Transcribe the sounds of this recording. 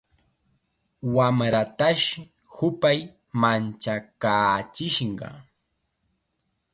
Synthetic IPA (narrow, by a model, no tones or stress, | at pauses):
wamɾat̪aʃ | hʊpaj | mant͡ʃakaːt͡ʃɪʃɴɢɑ̰